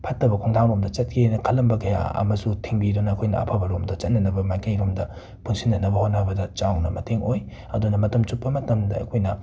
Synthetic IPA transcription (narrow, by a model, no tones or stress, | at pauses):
pʰɐtːɐbɐkʰoŋtʰaŋɾomdɐt͡ʃɐt̚kʰinɐkʰɐlːɐmbɐkʰɐja̰ɐ̰mɐsutʰiŋbidonɐːkʰojnɐ̰ɐ̰pʰabɐɾomdɐt͡ʃɐt̚nɐnɐbɐmajkɐjɾomdɐ | pʰunsʰinːɐnɐbɐhot̚nːɐbɐdɐt͡ʃawnɐmɐteŋoj | ɐdunɐmɐtɐmt͡ʃupːɐmɐtɐmdɐɐ̰kʰojnɐ